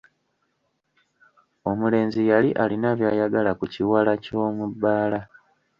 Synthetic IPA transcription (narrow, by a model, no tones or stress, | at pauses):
o̞mule̞ːnzijaliʔalinaβjaːjaɡalakuciwalaco̞ːmubːaːla